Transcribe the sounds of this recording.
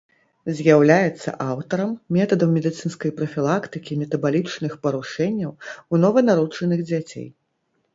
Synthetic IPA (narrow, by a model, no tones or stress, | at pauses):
zʲjawlʲajɛt̪sːɐ̰ʔawt̪ɐɾɐmːʲɛt̪ɐd̪ɐmːʲɛd̪ɨt̪sɨnskɐjpɾɐfʲilˠakt̪ɨkʲimʲɛt̪ɐbalʲit͡ʂnɨxpɐɾuʂɛnʲːɐwunɔvɐnaɾut͡ʂɐnɨɣd͡zʲat͡sʲḛj